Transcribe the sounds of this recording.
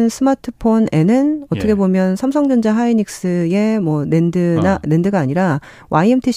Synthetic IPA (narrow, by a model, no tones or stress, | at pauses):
nsʰɯmatʰɯpʰone̞nɯnʌt͈ʌkʰebomjʌnsʰamsʰʌŋd͡ʑʌnd͡ʑaɦaiɲik̚s͈ɯe̞mwʌne̞ndɯnane̞ndɯɡaːɲiɾa | waiemtʰiɕ